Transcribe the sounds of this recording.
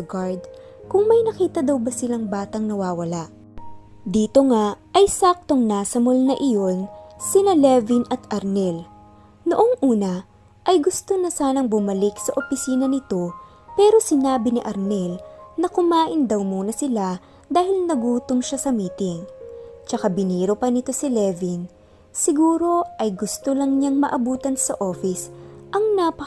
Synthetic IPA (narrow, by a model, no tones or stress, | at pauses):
ɡaɹd̪̚ | kʊŋmɐjnɐkiːt̪ɐd̪ɐwbɐsɪlaŋbaːt̪ɐŋnɐwaːwɐlaʔ | d̪iːt̪o̞ŋaʔɐjsaːk̚t̪o̞ŋnasɐmolnɐʔɪjo̞nsɪnɐlɛvinɐt̪ʔɐɾnɛl | noʔoŋʔuːnɐ | ʔɐjɡʊst̪onɐsaːnɐŋbʊmɐlɪksɐʔopɪsiːnɐnɪt̪o̞ | pɛːɾo̞sɪnaːbɪnɪʔɐɾnɛlnɐkʊmaːʔɪnd̪ɐwmuːnɐsɪla | d̪aːhɪlnɐɡuːt̪oŋʃasɐmiːt̪ɪŋt͡ʃɐkabɪniːɾopɐnɪt̪o̞sɪlɛvin | sɪɡuːɾo̞ʔɐjɡʊst̪olɐŋɲaŋmɐʔɐbuːt̪ɐnsɐʔo̞ːfɪsʔɐŋnapɐ